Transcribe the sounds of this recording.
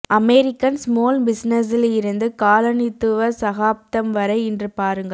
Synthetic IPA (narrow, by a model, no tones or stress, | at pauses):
ʔɐmɛɾɪkːɐnsmoːlbɪsnɐs̬ɪlɪɾɯnd̪ɯkaːlɐnɪt̪ːɯʋɐsɐɣaːp̚t̪ɐmʋɐɾɐɪɪndrɯpaːɾɯŋɡɐ